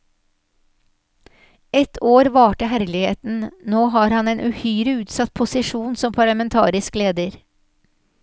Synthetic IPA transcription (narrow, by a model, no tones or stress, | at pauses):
ɛt̪ʰoːɾʋɑːʈəhæɾlɪhḛːt̪n̩noːɦɑːɾhɑneːnʔʉhyːɾəʉːt̪sɑt̪̚pʰʊsɪʂuːnsɔmpʰɑɭəmɛnt̪ʰɑ̰ːɾɪskleːd̪əɾ